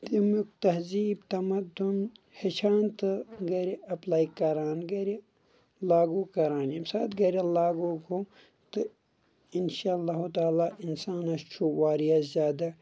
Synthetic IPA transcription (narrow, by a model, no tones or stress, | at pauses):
t̪imukt̪ɐɦziːbt̪ɐmɐd̪un | het͡ʃʰaːnt̪ɨɡɐɾiɐplaːikɐɾaːnɡɐɾi | laːɡuːkɐɾaːnibsaːt̪ɡɐɾilaːɡoko | t̪ɨ | inʃaːlːaːɦut̪aːlaːʔinsaːnɐst͡ʃʰuwaːɾijazʲjaːd̪ɐ